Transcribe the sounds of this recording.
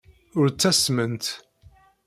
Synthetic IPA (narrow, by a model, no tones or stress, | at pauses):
ʊɾt͡sːæsmənt̪